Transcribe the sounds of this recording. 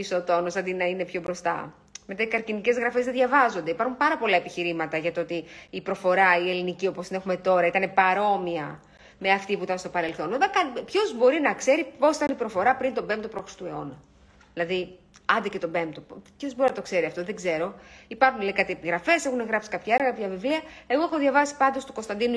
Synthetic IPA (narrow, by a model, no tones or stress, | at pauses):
isot̪onosɐnd̪inɐine̞pço̞bɾo̞st̪ɐ̰ | met̪ɐikɐɾcinice̞zɣɾɐfe̞zðeðʝɐvɐzo̞nd̪eipɐɾxumpɐɾɐpo̞lɐe̞piçiɾimɐt̪ɐʝɐt̪oot̪iːpɾo̞fo̞ɾɐie̞linicio̞post̪ine̞xume̞t̪o̞ɾɐit̪ɐne̞pɐɾo̞miɐ | me̞ɐft̪ipuit̪ɐnst̪o̞pɐɾe̞lθo̞nevekɐnpço̞zbo̞ɾinɐkse̞ɾipo̞si̥t̪ɐnipɾo̞fo̞ɾɐpɾint̪o̞be̞mpt̪opɾoxɾi̥st̪ue̞o̞nɐ | ðilɐði | ɐnd̪ece̞t̪o̞be̞mp̚t̪oppço̞zbo̞ɾinɐt̪okse̞ɾiɐft̪o̞ðe̞ɡze̞ɾo̞ipɐɾxunleikɐt̪epiɣɾɐfe̞se̞xuneɣɾɐpsi̥kɐpçɐeɾɐkaɐpçɐvivliɐe̞ɣoexoðʝɐvɐsi̥pɐnd̪o̞st̪uko̞st̪ɐnd̪inu